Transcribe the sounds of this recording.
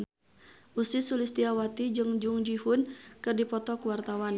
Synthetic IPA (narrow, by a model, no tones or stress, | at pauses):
ʔusisulist̪iawat̪id͡ʒɨŋd͡ʒuŋd͡ʒiɦunkɨrdipɔt̪ɔkwart̪awan